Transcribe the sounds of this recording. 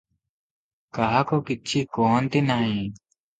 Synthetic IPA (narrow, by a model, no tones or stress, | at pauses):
kaɦaːkoːkɪt͡ʃʰiːkoːnt̪iːnaːɦĩː